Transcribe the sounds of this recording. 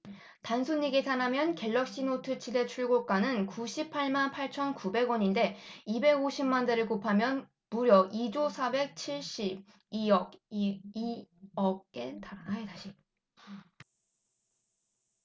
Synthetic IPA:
tansʰuɲːiɡetanamjʌnke̞ɭːʌk̚ɕ͈inotʰɯt͡ɕʰidet͡ɕʰuɭɡok͈anɯnkuɕʰipʰːaɭmanpʰaɭt͡ɕʰʌnkube̞ɡwʌɲinde̞ibe̞ɡoɕʰimːandeɾɯɭkopʰamjʌn | muɾjʌid͡ʑosʰabe̞k̚t͡ɕʰiɭɕ͈ib̚ | iʌɡ | ʌkk͈e̞taetaɕʰi

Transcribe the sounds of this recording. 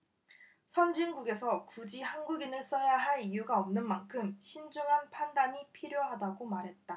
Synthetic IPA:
sʰʌnd͡ʑiŋɡuɡe̞sʰʌkud͡ʑihanɡuɡinɯɭs͈ʌjaɦaɭijuɡaʌmnɯnmankʰɯmɕʰind͡ʑuŋɦanpʰandaɲipʰiɾjoɦadaɡomaɾɦe̞t̚t͈a

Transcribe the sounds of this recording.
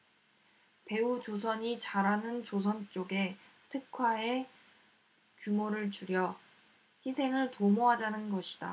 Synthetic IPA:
pe̞ut͡ɕos̬ʰʌɲit͡ɕaɾanɯnt͡ɕosʰʌnt͡ɕ͈oɡe̞ | tʰɯkʰwae | kjumoɾɯɭt͡ɕuɾjʌ | çisʰe̞ŋɯɭtomoɦad͡ʑanɯnɡʌɕʰi̥d̥a̰

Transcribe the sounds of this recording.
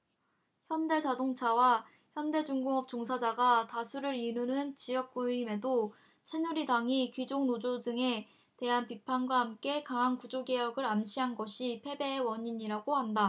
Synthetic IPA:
çjʌnde̞d͡ʑasoŋt͡ɕʰawa | çjʌnde̞d͡ʑuŋɡɯŋʌp̚t͡ɕ͈oŋsʰad͡ʑaɡatasʰuɾɯɾinunɯnt͡ɕijʌk̚k͈uime̞do | sʰe̞nuɾidaŋikid͡ʑoŋnod͡ʑodɯŋe̞ | te̞ɦanpipʰanɡwaɦamk͈e̞kaŋɦaŋkud͡ʑoɡe̞jʌɡɯɾamɕʰiɦanɡʌɕʰipʰe̞be̞ɦewʌɲiɲiɾaɡoɦanda

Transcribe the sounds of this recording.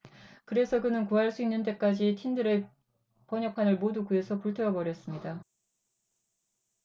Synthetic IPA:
kɯɾe̞sʰʌkɯnɯnkuɦaɭs͈uinːɯnt͈e̞k͈ad͡ʑitʰindɯɾe | pʌɲʌpʰanɯɭmodukue̞sʰʌpuɭtʰeʌbʌɾjʌs͈ɯmɲida

